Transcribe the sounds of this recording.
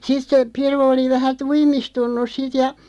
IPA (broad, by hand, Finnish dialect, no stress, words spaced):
sit se piru oli ʋæhæ tuimistunːus sit jɑ